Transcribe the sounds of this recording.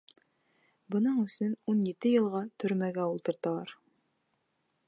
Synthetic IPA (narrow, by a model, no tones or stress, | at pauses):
bɤ̆nɤɴɵ̆sɵnunjɘt̪ɘjɤ̆lˠʁɑt̪ʰɵ̆ɾmæɡæulˠt̪ɤ̆ɾt̪ɑlˠɑɾ